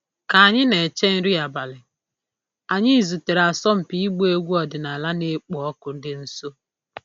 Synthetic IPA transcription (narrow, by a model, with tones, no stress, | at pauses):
ka˨a˨ɲɪ˦ne˨t͡ʃe˦n̩˦ɾi˦a˨ba˨lɪ˨ | a˨ɲɪ˦i˨zu˨te˨ɾa˨sɔ˦m̩˨pi˦i˦ɡ͡bu˦e˦ɡʷu˦ɔ˨dɪ˨na˨la˦ne˦k͡pɔ˨˦ɔ˦kʊ˨n̩˦dɪ˦n̩˦so˦